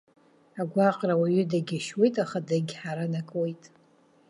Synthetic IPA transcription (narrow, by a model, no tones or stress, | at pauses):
aɡʷaqʼrawaɥʏdaɡʲɪʃwe̞jtʼaχadaɡʲħaɾanakʼwejtʼ